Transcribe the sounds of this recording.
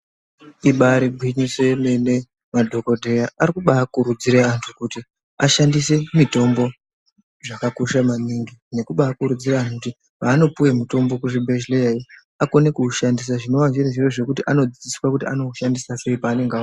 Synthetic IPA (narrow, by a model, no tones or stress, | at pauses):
iɓaɾiɡʱwiɲiswe̞me̞ne̞ | madʱo̞ko̞dʱe̞jaʔaɾikuɓaːkuɾud͡ziɾeantʰukuti | aʃandise̞mito̞mbo̞ | ʐakakoʃamaniŋɡine̞kuɓaːkuɾud͡ziɾaːntukuti | paːno̞puwemuto̞mbokuʐibʱeʃleai | akonekuːʃandis̬aʐino̞waɲd͡ʒireʐiro̞ʐe̞kutiʔano̞d͡zid͡ziswakutia̰no̞uʃandisase̞ipaːne̞ŋɡa